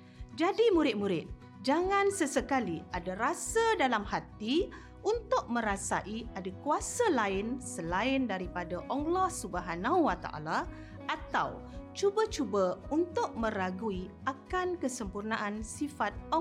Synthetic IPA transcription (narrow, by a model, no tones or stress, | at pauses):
d͡ʒadimuɾɪt̪̚muɾɪt̪̚ | d͡ʒaŋãnsəsəkaliadaɾasadalamhat̪i | ʔunt̪ʊk̚mə̃ɾasa̰ʔiadakuasalaɪnsəlaɪndaɾipadaʔɔŋlɔhsubaɦanãwwat̪a̰ʔa̰la | ʔat̪a̰w | t͡ʃubət͡ʃubəunt̪ʊʔ̚mə̃ɾaɡui | akankəsəmpurnaʔansifat̪̚ɔ